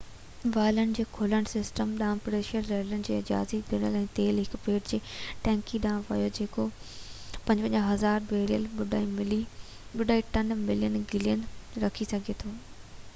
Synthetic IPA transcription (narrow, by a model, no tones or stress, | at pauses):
ʋaːlənɪ̆d͡ʑeːkʰoːləɽ̃sɪsʈəmɗãːpɾeːʃəlːɐɦlənɪ̆d͡ʑeːɪd͡ʑa̰ːzid̪ɪɽ̃əlɛ̃ːt̪eːlɦɪkpeːʈd͡ʑeːʈɛ̃ːŋkiɗãːʋɐ̰jod͡ʑeːko | pɐ̃ɲd͡ʑʋə̃ɲɦɐzaːɾbeːɾijəlʊil | ɓʊɗaːiʈɐnmɪlijənɡɪlijənɾɐkʰisɐɡʱet̪ʰoː